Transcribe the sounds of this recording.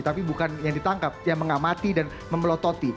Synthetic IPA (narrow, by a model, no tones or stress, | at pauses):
t̪apibukanjaŋdit̪aŋkap̚jaŋməŋamat̪idan | məməlɔt̪ot̪i